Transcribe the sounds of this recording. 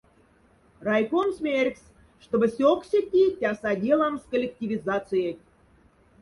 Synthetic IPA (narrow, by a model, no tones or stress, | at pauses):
rɑjkonsmʲerʲks | ʂt̪obə̆sʲoksʲetʲːitʲɑsɑdʲelˠɑmskolʲek̚tʲivʲizɑt͡sɨjet̚ʲ